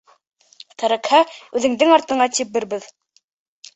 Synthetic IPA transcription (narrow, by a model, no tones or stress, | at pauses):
t̪ʰæɾækhæʉðɘ̆ŋd̪ɘŋɑɾt̪ɤ̆ɴɑt̪ipbɘɾbɘð